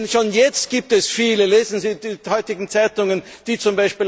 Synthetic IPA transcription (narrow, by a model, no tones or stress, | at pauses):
nʃoːnjɛt͡stɡ̥iːp̚tɛsfiːləleːzn̩ziːdiːhɔʏtɪɡŋ̩t͡saɪtʊŋən | d̥iːt͡sʊmbaɪʃpiːl